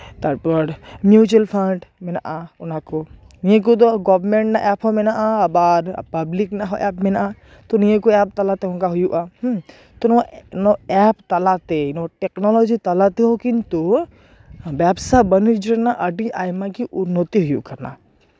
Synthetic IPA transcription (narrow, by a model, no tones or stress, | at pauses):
t̪ɐɾpəɾmjut͡ʃəlpʰəɳɖmenaʔaʊnako | nijẽk̬ot̪̬oɡɔːʋɾmẽɳʈnaʔɛːpɦomenaʔaabaːɾ̰pɐbliknaɦoʔɛ̰ːpmena | t̪onijẽkoɛːp̚t̪ɐlat̪eɦõŋkaɦʊjuʔa | t̪onnoɛpt̪ɐlat̪enoʈeknɔlɔd͡ʒit̪ɐlat̪eɦokint̪o | baːbsabənid͡ʒənaʔɐɖiʔaːjmakiʔʊnːət̪iɦʊjṵkɐɾna̰